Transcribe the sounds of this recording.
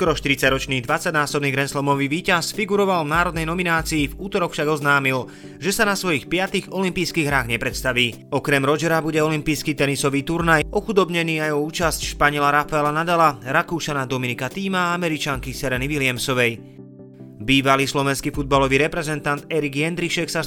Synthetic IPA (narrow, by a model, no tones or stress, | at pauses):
sskɔɾɔʃt̪iɾit͡saɟɾɔt͡ʃniːd̪ʋat͡saɟnaːsɔbniːɡɾɛnslɔmɔʋiʋiːcasfiɡuɾɔʋalvnaːɾɔd̪nɛjnɔminaːt͡siːvuːt̪ɔɾɔkfʃaɡɔznaːmil | ʒɛsanasʋɔjixpɪat̪iɣɔlimpiːjskiːɣɦɾaːɣɲɛpɾɛt̪st̪aʋiː | ɔkɾɛmɾɔd͡ʒɛɾabuɟɛɔlimpiːjskit̪ɛnisɔʋiːt̪uɾnajɔxud̪ɔbɲɛniːajɔuːt͡ʃascʃpaɲɪɛlaɾafaɛlanad̪alaɾakuʃanad̪ɔminikat̪iːmaamɛɾit͡ʃaŋkisɛɾɛniʋilɪamsɔʋɛj | biːʋaliːslɔʋɛnskifud̪̚balɔʋiːɾɛpɾɛzɛnt̪ant̪ɛɾiɡjɛnd̪ɾiʃɛksa